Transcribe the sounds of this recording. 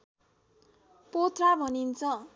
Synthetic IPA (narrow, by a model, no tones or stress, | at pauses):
pot̪rabʱʌnint͡sʰʌ